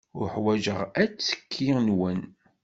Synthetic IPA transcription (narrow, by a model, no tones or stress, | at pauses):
ʊɾħwæʒəʁæt͡sːə̥kʰːinwən